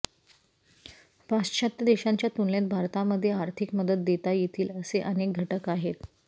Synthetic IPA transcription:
past͡ɕʰat̪jəd̪eɕaɲt͡ɕjat̪uɳlet̪̚bʱaɾt̪aməd̪ʱːjeaɾt̪ʰikməd̪ət̪̚d̪et̪ajet̪ʰiːləseʔənek̚ɡʱəʈəkaɦet̪

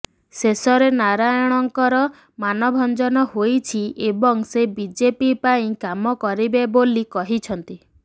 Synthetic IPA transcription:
sesɔɾenaɾajɔɽ̃ɔŋkɔɾɔ | manɔbʱɔnd͡ʒɔnɔhojt͡ʃʰiebɔŋsebid͡ʒepipaĩkamɔkɔɾibebolikɔɦit͡ʃʰɔnt̪i

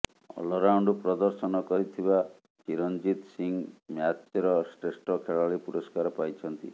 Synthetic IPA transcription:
ɔ̰lɔɾawɳɖupɾɔd̪ɔɾsɔnɔkɔɾit̪ʰiba | t͡ʃiɾɔnd͡ʒit̪siŋmjat̪ːɔɾɔsʈɾesʈɔkʰeɭaɭipuɾɔskaɾɔpajt͡ʃʰɔnt̪ḭ

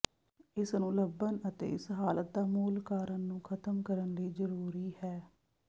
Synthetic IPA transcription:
ɪsnũːləbːənət̪ḛːɪsɦaːlət̪̚d̪aːmuːlkaːɾənːũːkʰət̪əmkəɾənliːzəɾuːɾiːhɛː

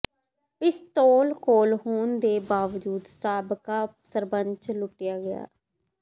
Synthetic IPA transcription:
pɪst̪oːlkoːlhoːnd̪eːbaːʋd͡ʒuːd̪saːbkaːpsəɾbəɲt͡ʃlʊʈːɪjaːɡɪja̰ː

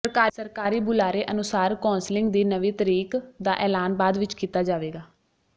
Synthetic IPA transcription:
pɾəkaːɾsəɾkaːɾiːbʊlaːɾeːʔənʊsaːɾkɔ̃ːnslɪŋɡd̪iːnəʋiːt̪əɾiːkd̪aːʔɛːlaːnbaːd̪ʋɪt͡ʃkiːt̪aːd͡ʒaːʋeːɡaː

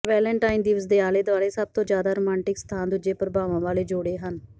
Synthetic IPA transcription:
ʋɛːlə̃ɳʈaːind̪iʋəsd̪eːaːleːd̪ʊʋaːɾeːsəb̚t̪õːd͡ʒjaːd̪aːɾoːmɛ̃ːɳʈɪkst̪ʰãːnd̪ʊd͡ʒeːpəɾəbaːʋãːʋaːleːd͡ʒoɽeːɦən

